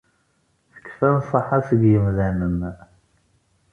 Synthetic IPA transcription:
θə̥kːfænsˤəħasəɡjəmðænən

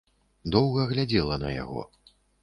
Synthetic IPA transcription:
d̪ɔwɣɐɣlʲad͡zʲɛlˠɐnɐ̰ja̰ɣɔ̰

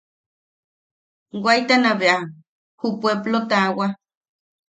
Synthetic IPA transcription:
wajt̪anaβeʔa | hupweblot̪awa

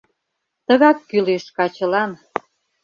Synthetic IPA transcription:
t̪əɣɑkːyleʃkɑt͡ɕə̆lɑn

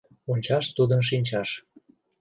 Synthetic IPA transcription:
onʲt͡ɕɑʃt̪ud̪ənʃ̬inʲt͡ɕɑʃ

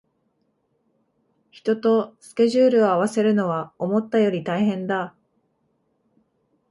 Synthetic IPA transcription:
çi̥t̪o̞t̪o̞sɨ̥kʲe̞ʑɨːɾɯ̟o̞aβ̞ase̞ɾɯ̟no̞βao̞mo̞t̪ːajo̞ɾʲit̪aiɦẽ̞nd̪a

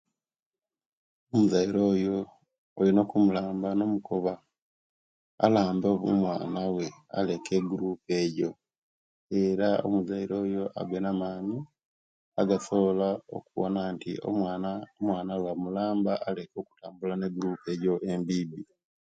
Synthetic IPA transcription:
omuzaiɾo̞ːjo̞ː | lino̞kumulaːmbano̞mukʰoβa | laːmboβumwaːnawe̞a̰le̞kʰe̞ɡuɾuːpe̞ːɟo̞ | eɾao̰muzaiɾo̞ːjo̞ʔa̰ɡwenamaːɲi | aɡaso̞βolao̰kuβo̰naːntḭo̰anomwaːnawamulaːmbaʔːle̞ko̞ːku̥taːmbulane̞ɡuɾuːpe̞ːɟo̞ʔe̞mbiːbi

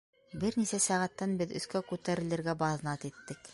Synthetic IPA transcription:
bɘɾnisæsæʁæt̪ːænbɘðɵ̆θkækʉt̪æɾɘ̆lɘ̆ɾɡæbɑðnɑt̪it̪ːɘk

